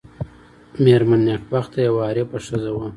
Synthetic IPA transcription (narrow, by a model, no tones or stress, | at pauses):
meɾmanːakbaxt̪ʰajawɑːɾepəʂəzawa